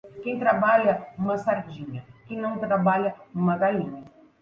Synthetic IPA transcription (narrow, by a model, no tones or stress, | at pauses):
kẽj̃t̪ɾabaʎɐũmɐsaɾd͡ʒĩɲɐkẽj̃nɐ̃w̃t̪ɾabaʎɐũmɐɡalĩɲɐ